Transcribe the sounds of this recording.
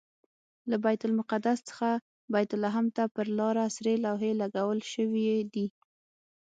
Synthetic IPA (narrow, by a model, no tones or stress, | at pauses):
labajt̪ʊlmʊqad̪ast͡sə̥xa | bajt̪ʊlaɦamt̪apəɾlɑɾasɾelɑwɦelaɡawəlʃəwied̪i